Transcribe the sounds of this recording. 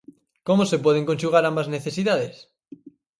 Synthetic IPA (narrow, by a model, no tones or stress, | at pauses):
komosepweð̞eŋko̞nʃuɣ̞aɾambazneθesiðaðes